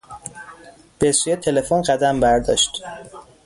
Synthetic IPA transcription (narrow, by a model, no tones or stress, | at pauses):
b̥esujet̪ʰe̞le̞fonɢæd̪æmbæɾd̪ɒ̰ːʃt̪